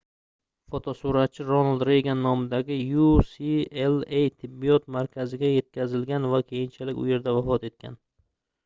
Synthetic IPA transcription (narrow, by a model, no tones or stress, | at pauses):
fot̪ʰɒsʊɾat̪̚t͡ʃʰːɪɾonald̪ɾejɡʲanːɒmɪd̪aɡʲɪjusielˠejt̪ʰɪbːiɒt̪maɾkʲʰazɪɡʲaje̞t̪̚kʲʰazɪlɡʲanvakʲʰe̞jɪnt͡ʃʰalɪkʲʊ̰je̞ɾd̪avafɒt̪e̞t̪̚kʲʰa̰n